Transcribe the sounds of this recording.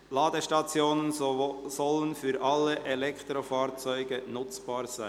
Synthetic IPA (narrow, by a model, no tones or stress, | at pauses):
lɑːdəʃtɑt͡sjoːnənsɔlənfyːɾʔɑlːəʔɛlɛkt̪ɾofɑːɾt͡sœʏɡənʊt͡sb̥ɑːɾz̥æɪ